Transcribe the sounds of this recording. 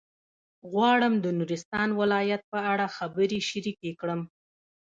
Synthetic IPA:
ɣwɑɽəmd̪ənuɾɪst̪ɑnwɪlɑjat̪̚pəaɽaxabəɾiʃaɾikekɽəm

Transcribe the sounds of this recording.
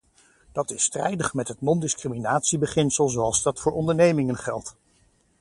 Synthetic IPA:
d̥ɑtɪstrɛ̰jdəχmɛtɦətnɔndɪskriminaːtsibəχɪnsəlˠzowɑlˠzdɑtfʊːɹɔndəɹnejmɪŋənχɛ̰lˠt

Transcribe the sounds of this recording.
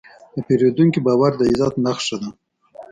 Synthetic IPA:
d̪̥əpeɾed̪uŋkibɑwaɾd̪əɪzɑt̪naxʃad̪a

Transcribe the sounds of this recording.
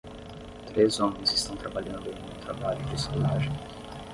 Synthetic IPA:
t̪ɾezõmẽj̃zɪst̪ɐ̃w̃t̪ɾabaʎɐ̃nd̪ẽj̃ũt̪ɾabaʎʊd͡ʒɪeskolaʒẽj̃

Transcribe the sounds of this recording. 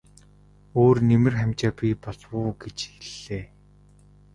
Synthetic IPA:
oːrnemɘ̆rχæmʲt͡ɕaːpʲipɔɮwʊːɡet͡ɕxeɮeː

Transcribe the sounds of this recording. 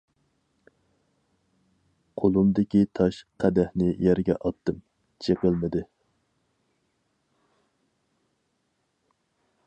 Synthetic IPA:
qʰolˠumd̪ɪkʲit̪ʰɑʃqʰæd̪ɛhnɪjæɾɡʲɛ̰ʔɑt̪ːɨm | t͡ʃʰeqəlˠmɪd̪ɪ

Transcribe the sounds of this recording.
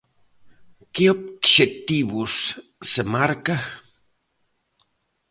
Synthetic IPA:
kiop̚kʃet̪iβusːemaɾka

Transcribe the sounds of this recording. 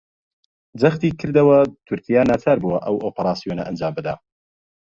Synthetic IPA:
d͡zɐxt̪iːkʰɨɾd̪ɐwɐt̪ʰʊɾkijaːnɐt̪ʰaɾbuwɐʔɐwoːpɐɾaːsijonɐ̰ʔɐnd͡ʒaːmbɨd̪aː

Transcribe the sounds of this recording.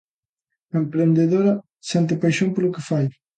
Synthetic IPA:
empɾend̪eðoɾɐ | sɛnt̪̬epajʃompeɾlukefaj

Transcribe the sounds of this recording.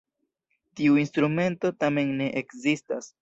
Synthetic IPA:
tiuinstɾume̞nto̞tame̞nne̞ʔekzistas

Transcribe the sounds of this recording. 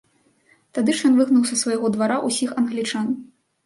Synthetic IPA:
t̪ad̪ɨʂjɔnvɨɣnuwsɐsvɐjɣɔd̪vaɾaʔusʲixɐnɣlʲit͡ʂan

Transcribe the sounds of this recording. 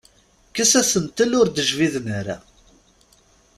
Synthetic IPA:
kæsæsənt̪əlʊɾd̪əʒviðnaɾa̰

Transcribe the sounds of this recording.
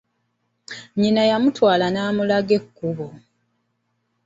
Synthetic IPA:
ɲinajamutwaːlanaːmulaɡe̞kːuβo

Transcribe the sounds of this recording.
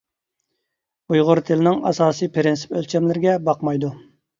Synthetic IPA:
ujʁʊɾt̪ʰɪlɪnɪŋɑ̰sɑːsɨjpʰɪɾɪnsɪ̥pølt͡ʃʰɛmlɪɾɪɡʲɛbɑqmɑjd̪u

